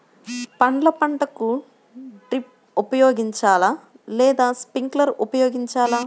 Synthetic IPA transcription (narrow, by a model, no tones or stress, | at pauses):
pɐɳɖlɐpɐɳʈɐku | ʈɾip̚ | upɐjoːɡiɲt͡ʃaːlaː | lɛːd̪aːspiŋklɐɾʔupɐjoːɡiɲt͡ʃaːlaː